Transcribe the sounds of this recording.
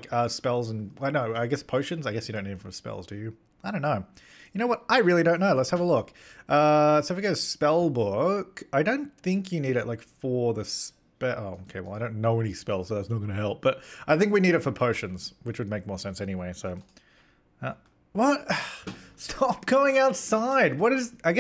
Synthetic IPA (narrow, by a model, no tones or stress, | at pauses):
kʰʌspɛlˠzə̃n̩aɪnoʊaɪɡɛspʰoʊʃɨ̃nzaɪɡɛsjɨɾõʊ̃nːiɾɨtfə˞spɛ̰lˠzdɨjɨ | aɪdõʊ̃nːoʊ | jɨnoʊwʌɾʔaɪɹɪlˠiɾõʊ̃nːoʊlətshəvəlʊk | ʔʌsoʊfjɨɡoɾɨspɛlˠbʊkaɪɾõʊ̃nθɪ̃ŋkʰjɨniɾɨʔ̚laɪkfə˞ðɨs | pɛʔoʊoʊkʰeɪwɛ̰lˠaɪɾõʊ̃nːoʊɛñispɛlˠz̥soʊðætsnət̚ɡʌ̃nɨɦɛlˠp̚b̥ʌt̚ʔaɪθɪ̃ŋkwiniɾɨtfə˞pʰoʊʃɨ̃nz̥wɨt͡ʃwɨd̚meɪk̚mɔɹsɛ̃nsɛñiweɪsoʊ | ʌ | wʌt̚ | stʰɑp̚ɡ̥oʊɪ̃ŋaʊtsaɪd̚wʌɾɨzaɪɡɛ